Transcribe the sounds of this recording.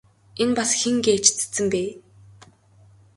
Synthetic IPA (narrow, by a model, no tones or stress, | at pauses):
enpasxeŋɡeːt͡ɕt͡sɘ̥t͡sːɘ̆mpeː